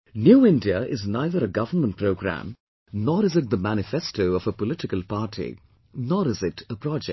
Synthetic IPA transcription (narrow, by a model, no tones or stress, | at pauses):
njuːɪ̃ndiəʔɪznaɪðəɾəɡʌvənmə̃nt̚pʰɾoʊɡɾæ̰̃m | nɔːɾɪzɨt̚d̪əmæñɪfɛstoʊɔvəpɔlɪʈɪkəlpaːʈʰḭ | nɔːɾɪzɪtəpɾɔd͡ʒɛ